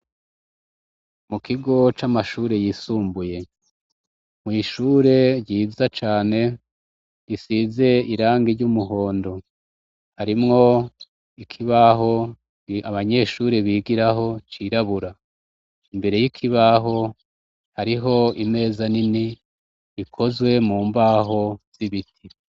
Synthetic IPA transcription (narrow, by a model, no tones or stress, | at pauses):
mukʰiɡo̞t͡ʃamaʃuːɾe̞jiːsuːmbuje̞ | mŋiːʃuːɾe̞ɾɟiːzat͡ʃaːne̞ | ɾisize̞iɾaːŋɡiɾɟumuɦo̞ːndo̞ | haɾimŋo̞ | ikʰiβaɦo̞ | aβaɲe̞ʃuːɾeβiːɡiɾaɦo̞t͡ʃiɾaβuɾa | imbe̞ɾe̞jikʰiβaɦo̞ | haɾiɦo̞ime̞ːzanini | βikʰo̞zwe̞muːmbaɦo̞z̥iβitʰi